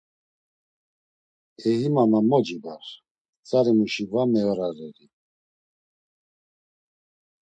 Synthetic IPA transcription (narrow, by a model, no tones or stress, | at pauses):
ɛɦimamamɔd͡ʒibaɾ | t͡sʼaɾɛmuʃivamɛɔɾaɾɛɾi